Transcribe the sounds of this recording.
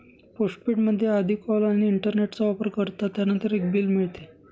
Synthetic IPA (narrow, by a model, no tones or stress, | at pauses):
poʂʈ̚piʈməd̪ʱːjeəd̪ʱiːkɔlaɽ̃iːɳʈəɾneʈt͡saɔpəɾkəɾt̪at̪janənt̪əɾek̚biːlmiɭt̪e